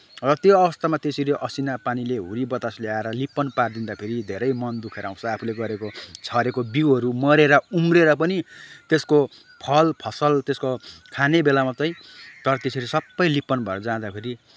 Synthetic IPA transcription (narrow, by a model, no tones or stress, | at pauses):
rʌt̪joʌbʌst̪amat̪esʰiɾiʔʌsinapanileɦuɾibʌt̪asleaeɾʌlipːʌnpard̪ind̪apʰeɾid̪ʱeɾʌjmʌnd̪ukʰeɾʌaw̃t͡sʰʌapʰuleɡʌɾekot͡sʰʌɾekobiwʌɾumʌɾeɾʌumreɾʌpʌnit̪esko | pʰʌlpʰʌsʌlt̪eskokʰanebelamat͡sʌj̃ | t̪ʌɾʌt̪esʰiɾisʌbːʌjlipːʌnbʱʌeɾʌd͡zãd̪apʰeɾi